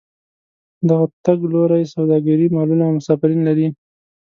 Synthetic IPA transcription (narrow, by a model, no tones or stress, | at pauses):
d̪aɣat̪aɡloɾajsawd̪ɑɡaɾimɑlunamʊsɑfɪɾinlaɾi